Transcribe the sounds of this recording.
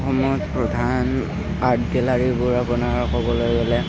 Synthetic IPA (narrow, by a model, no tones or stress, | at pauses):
xɔmɔjɔtpɹɔdʱan | adɡɛlaɹibʊɹapunaɹkɔbɔlojɡɔlɛ